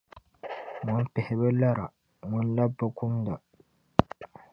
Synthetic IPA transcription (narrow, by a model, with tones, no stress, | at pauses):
ŋʊ˦npɛ˨hɪ˨ba˦la˦ɾa˨ | ŋʊ˦n˦la˦bːa˦kʊ˦m˦da˨